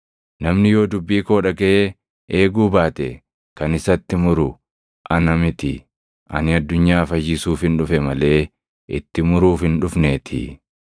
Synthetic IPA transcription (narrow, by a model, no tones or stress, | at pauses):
nɐmnɪjo̞ːd̪ʊbːiːko̞ːᶑɐɡɐʔe | ʔe̞ːɡuːbaːt̪ɛ | kɐnɪsɐt̪ːɪmʊɾʊ | ʔɐnɐmɪt̪ɪ̰ | ʔɐ̰nɪɐd̪ːʊɲːaːfɐjɪsuːfhɪnᶑʊfɛmɐle̞ː | ʔɪ̰t̪ːɪmʊɾuːfɪnᶑʊfneːt̪ʰɪ̰